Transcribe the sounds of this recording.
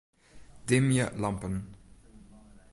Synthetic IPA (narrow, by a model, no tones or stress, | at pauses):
d̥ɪmjəlampən